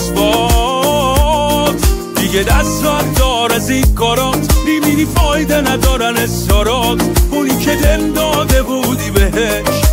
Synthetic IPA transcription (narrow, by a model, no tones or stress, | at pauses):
bɔ | t̪ʰ | d̪iɡed̪æsɔæt̪d̪ɒɾæziɡɒːɾɔt̪ɾiminifɒːjd̪enæd̪ɒːɾænest̪ɒɾɔt̪ʰbunikʰed̪emd̪ɒːd̪ebuːd̪ibeɦe | ʃ